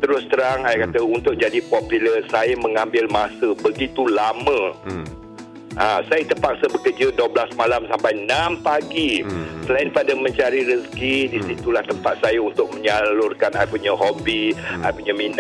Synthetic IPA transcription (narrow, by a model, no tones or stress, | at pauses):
t̪əɾʊst̪əɾaŋajakat̪əunt̪ʊk̚d͡ʒadipopjuləsajəmə̃ŋambɪlmãsəbəɡit̪ulamə̃ | ʔãsajət̪əpak̚səbəkəd͡ʒədəblasmalamsampajnãmpaɡisəlaɪnpadamə̃ɲt͡ʃaɾiɾəskidisit̪ulaht̪əmpat̪̚sajaunt̪ʊk̚məɲalʊrkanajpuɲəhobia̰jpuɲamin